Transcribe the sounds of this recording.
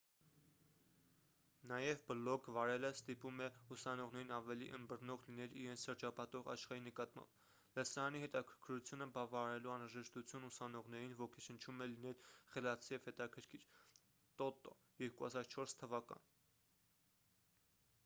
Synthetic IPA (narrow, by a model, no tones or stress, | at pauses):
nɑjɛvbəlɔkvɑɾɛləst̪ipumɛusɑnɔʁnɛɾinɑvɛliʔənd̪bərnɔʁlinɛliɾɛnt͡sʰʃəɾd͡ʒɑpɑt̪ɔʁɑ̰ʃχɑɾinəkɑt̪mɑ̰mb̥ | lɛsɑɑniɦɛt̪ɑkʰə̥ɾkʰəɾut͡sʰjunəbɑvɑɑɾɛluɑnɾɑʒɛʃt̪ut͡sʰjunusɑnɔʁnɛɾinvɔkʰɛʃənt͡ʃʰumɛlinɛlχɛlɑt͡sʰijɛvhɛt̪ɑkʰəɾkʰiɾ | t̪ɔt̪ɔ̰ | jɛɾkuɑ̰zɑɾt͡ʃʰɔɾst̪ʰəvɑkɑ̰n